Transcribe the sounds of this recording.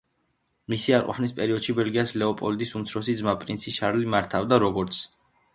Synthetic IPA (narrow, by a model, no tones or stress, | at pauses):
misiaɾqʼɔ̰pʰnispʼɛɾiɔd̪̥ʃibɛlɡiaslɛɔpʼɔld̪isumt̪sʰɾɔsid̪zmapʼɾinsʰiʃaɾlimaɾt̪ʰavd̪aɾɔɡɔɾt̪sʰ